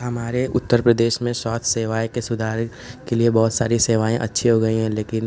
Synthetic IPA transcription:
ɦɐmaːɾeʔʊt̪ːəɾpɾəd̪eːʃmẽsaːt̪ʰseːʋaːjkesʊd̪ʱaːɾ | keliebɔːt̪saːɾiseːʋaːẽʔɐ̰tːʃʰiɦoɡɐiɦɛ̃leːkɪn

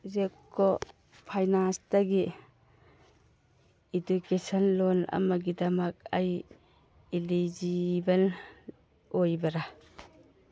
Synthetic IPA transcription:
zekːɔ | pʰajnanstaɡi | edukesɔnlɔna̰maɡidamak̚aj | ilid͡ʒiban | ojbɐɾa

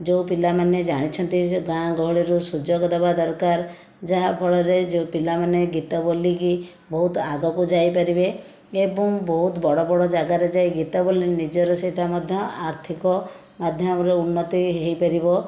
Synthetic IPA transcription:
d͡ʒeũpilamaned͡ʒaɽ̃it͡ʃʰɔnt̪isɡãɡʱɔɦɭiɾusud͡ʒɔɡɔd̪abad̪ɔɾkaɾ | d͡ʒaɦapʰɔɭɔɾed͡ʒeupilamaneɡit̪ɔboliki | bɔɦut̪aɡɔkud͡ʒajpaɾibe | ebɔŋbɔɦut̪bɔɽɔbɔɽɔd͡ʒaɡaɾed͡ʒajɡit̪ɔbolinid͡ʒɔɾɔseʈamɔd̪ʱjɔaɾt̪ʰikɔ | mad̪ʱjɔmɔɾeunːɔt̪iɦejpaɾibɔ

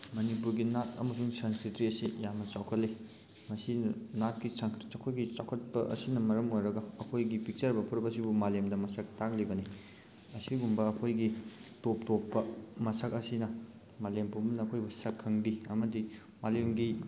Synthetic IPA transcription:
mɐnipuɾɡinatʰɐ̰mɐsuŋsɐnsitɾiɐsijamnɐt͡ʃawkʰɐt̚li | mɐsinat̚kisaŋkʰt͡ʃɐwkʰojɡit͡ʃawkʰɐt̚pɐʔɐ̰sinɐmɐɾɐmojɾɐɡɐːkʰojɡipik̚t͡ʃɐɾbɐpʰuɾbɐsibumalemdɐmɐsɐk̚tak̚libɐni | ɐsiɡumbɐːkʰojɡitop̚topːɐmɐsɐkɐsinɐ | malempuɾmɐnɐːkʰojbusɐkʰːɐŋdiɐmɐdi | malemɡi

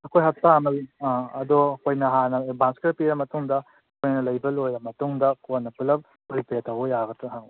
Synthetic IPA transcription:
ɐkʰojɦɐtaɐmɐlaɐdoɐkʰojnɐɦanɐebʱanskeɾpiɾɐmɐtuŋdɐ | kʰojnɐlɐjbɐlojɾɐmɐtuŋdɐkonːɐpɯlɐp̚ | pɾipeɾtɐwɐjaɡɐtɾɐɦaŋ

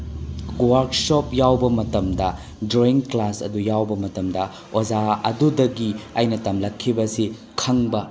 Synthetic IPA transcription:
waɾksopjawbɐmɐtɐmdɐ | doiŋklasɐ̰dujawbɐmɐtɐmdɐ | ozaɐ̰dudɐɡiɐjnɐtɐmlɐkʰːibɐsi | kʰɐŋbɐ

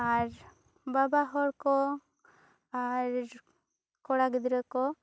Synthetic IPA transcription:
aɾ | babaɦɔɽkɔ | aɾ | kɔɽaɡid̪ɾɔkɔ

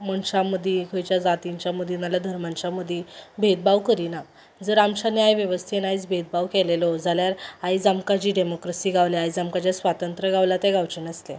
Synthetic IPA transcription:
məɳɕaməd̪ʱikʰəjt͡ɕjad͡zat̪iɲt͡ɕaməd̪ʱinaljad̪ʱəɾmaɲt͡ɕaməd̪ʱːibʱet̪̚baʋkəɾina | d͡zəɾamɕaneajʋjəʋəst̪ʰienait͡sbʱet̪̚baʋkɛlelɔd͡zʱaljaɾajd͡zamkat͡ɕiːɖemokɾəsiːɡaʋliajd͡zamkat͡ɕjasʋat̪ənt̪ɾəɡaʋlat̪ɛɡaʋt͡ɕəɳəsle

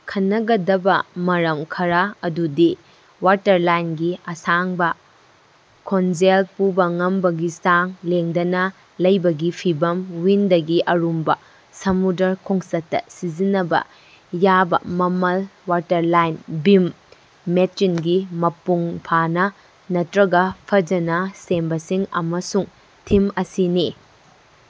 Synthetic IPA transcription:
kʰɐnːɐɡɐdɐbɐmɐɾɐmkʰɐɾaɐdudi | waɾtɐɾlajnɡiɐsaŋbɐ | kʰonzelpubɐŋɐmbɐɡisaŋleŋdɐnɐ | lɐjbɐɡipʰibɐmwindɐɡiʔɐɾumbɐ | sɐmudɐɾkʰoŋsɐtːɐ̰sizinːɐbɐ̰ | jabɐ̰mɐmɐlwaɾtɐɾlajnbimː | etːinɡimɐpuŋpʰanɐ | nɐtɾɐɡɐpʰɐd͡ʒɐnɐsembɐsiŋɐ̰mɐsuŋ | tʰimɐsini

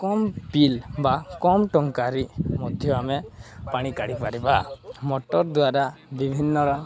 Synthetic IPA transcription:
kɔmpilbakɔmʈɔŋkaɾimɔd̪ʱjɔamɛpaɽ̃ikaɽipaɾibamɔʈɔɾd̪waɾabibʱinːɔɾɔ

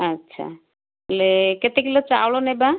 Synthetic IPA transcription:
atːʃʰa̰ | leket̪ekilot͡ʃawlonɛba

